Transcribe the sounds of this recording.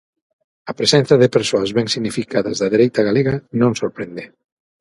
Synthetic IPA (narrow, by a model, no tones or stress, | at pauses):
ɐpɾesɛn̟θɐðɪpeɾsoɐzβɛŋsiɣnifikaðɐzðɐðeɾejt̪ɐɣaleɣɐnõŋsoɾpɾend̪e